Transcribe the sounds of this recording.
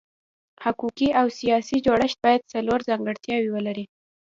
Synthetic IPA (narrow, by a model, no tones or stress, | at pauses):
hakukiʔawsijɑsid͡ʒoɽəʃt̪̚bɑjad̪̚saloɾzɑŋɡəɽt̪jɑwiwəlaɾi